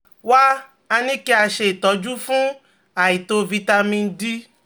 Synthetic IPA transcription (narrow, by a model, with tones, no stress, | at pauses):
wa˦ | a˧nĩ˦ke˦a˧ʃe˨t̪ɔ˨˦d͡ʒu˦fũ˦ | a˨ji˨t̪o˧vi˧t̪a˧mĩ˧˦di˦